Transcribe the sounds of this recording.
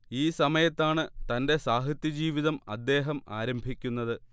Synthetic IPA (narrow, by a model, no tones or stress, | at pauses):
iːsɐmɐjɐt̪ːaːɳɨt̪ɐnde̞saːɦit̪jɐd͡ʑiːʋiðɐmɐ̰d̪ːe̞ːɦɐma̰ːɾɐmbʱikʲːunːɐðɨ